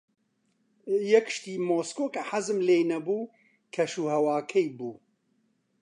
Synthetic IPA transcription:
jɛkʃt̪iːmoːskoːkʰɐħazɨmleːjnɐbuː | kʰɐʃuːhɐwaːkʰɛjbuː

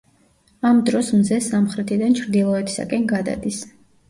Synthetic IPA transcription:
amd̪ɾɔsmzɛsamχɾɛt̪ʰid̪ant͡ʃʰɾd̪ilˠɔɛt̪ʰi̥sa̰kʼɛnɡad̪a̰d̪is

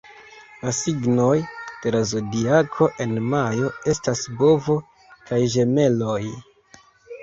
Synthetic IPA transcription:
lasiɡno̞jd̥e̞ɾazodiakʰo̞ʔe̞nmajo̞e̞stasbo̞vo̞ | kajʒe̞me̞lo̞j

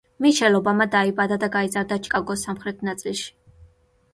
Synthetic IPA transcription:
miʃɛlɔbamad̪aibad̪ad̪aɡaizaɾd̪at͡ʃʼkʼaɡɔsamχɾɛt̪ʰnat̪sʼilˠʃi̥

